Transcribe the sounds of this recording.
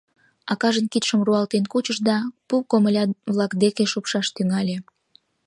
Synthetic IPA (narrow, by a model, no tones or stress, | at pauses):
ɑkɑʒənkit̪ʃəmruɑlt̪enkut͡ɕəʃd̪ɑpukoməlʲɑβlɑkd̪ekeʃupʃɑʃt̪yŋɑlʲe